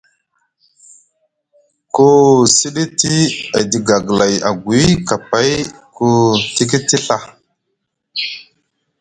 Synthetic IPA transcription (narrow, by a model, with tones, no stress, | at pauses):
ko˦si˦ɗi˦ti˦a˨di˨ɡa˨ɡla˨ja̰˨ɡi˦ka˨pa˦jku˦ti˦ki˦ti˦ɬa˨